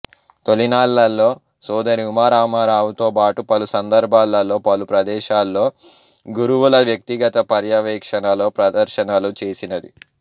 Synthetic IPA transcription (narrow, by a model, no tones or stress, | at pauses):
t̪o̞linaːlːɐlːo̞ː | sɔːd̪ɐɾiumaːɾaːmaːɾaːʋut̪oːpaːʈupɐlusɐnd̪ɐɾbʱaːlːɐlːo̞ːpɐlupɾɐd̪ɛːʃaːlːo̞ː | ɡuɾuwulɐʋjɐk̚t̪iɡɐt̪ɐpɐɾjɐʋɛːkʂɐnɐlo̞ːpɾɐd̪ɐɾʃɐnɐlut͡ʃe̞ːsinɐd̪ḭ